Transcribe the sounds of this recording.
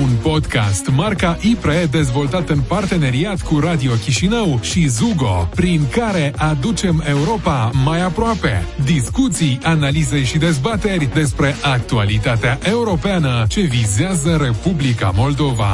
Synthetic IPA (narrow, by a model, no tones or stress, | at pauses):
unpo̞d̪ka̰st̪markaʔipɾed̪e̞zvo̞lt̪at̪ɨnpart̪e̞ne̞ɾiat̪kuɾad̪io̞kʲiʃinəwʃizuɡo̞̰pɾiŋkaɾe̞ʔad̪ut͡ʃe̞me̞uɾo̞pamajapɾoape̞̰d̪iskut̪sijanalize̞jʃid̪e̞zbat̪e̞rʲd̪e̞spɾe̞ʔak̚t̪ualit̪at̪eaʔe̞uɾo̞peanət͡ʃe̞vizeazəɾe̞publika̰mo̞ld̪o̞va̰